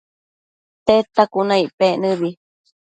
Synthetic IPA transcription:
t̪et̪akunãiʔpeʔnɨβi

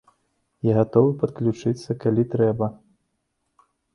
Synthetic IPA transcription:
jaɣat̪ɔvɨpɐt̪klʲut͡ʂɨt̪sːɐkalʲit̪ɾɛbɐ

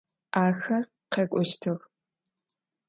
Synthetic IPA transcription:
aːxɐ | qeːkʷʼɔʃtʰɨx

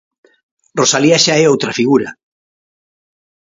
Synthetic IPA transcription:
rosaliaʃaɛowt̪ɾafiɣuɾa̰

